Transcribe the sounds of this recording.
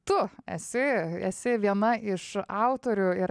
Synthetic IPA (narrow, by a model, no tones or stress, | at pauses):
t̪ʊɛ̰sʲɪɛ̰sʲɪʋʲiɛnɐʔɪʃɑʊt̪oːɾʲʊɪɾ